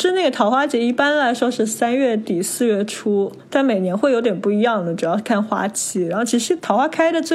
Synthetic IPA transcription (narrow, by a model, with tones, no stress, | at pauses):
ʂɻ̩˥˧na˥˩ɡə˩t̪ʰɑ˧˥ʊxwa˥t͡ɕjɛ˧˥i˥˩pa˥nla˧˥ɪʂwɔ˥ʂɻ̩˥˩sa˥nɥɛ˥˧˩t̪i˨˩sɹ̩˥˧ɥɛ˥˩ʈ͡ʂʰu˥ | t̪a˥˩nme˨˩ɪnjɛ˧˥nxwe˥˩ɪjo˧˥ʊt̪jɛ˨˩npu˥˩i˧˥jɑ˥˩ŋd̪ə˩ʈ͡ʂu˨˩jɑ˥˧ʊ˧kʰa˥˩nxwa̰˥t͡ɕʰi˥˩ɻa˧˥nxo˥˩t͡ɕʰi˧˥ʂɻ̩˧˥t̪ʰɑ˧˥ʊxwa˥kʰa˥ɪd̪ə˨t͡swe˥˩